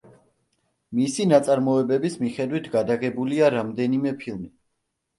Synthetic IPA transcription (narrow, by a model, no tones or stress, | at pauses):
misinat̪sʼaɾmɔɛbɛbismiχɛd̪wit̪ʰɡad̪aɡɛbuliaɾamd̪ɛnimɛpʰilˠmi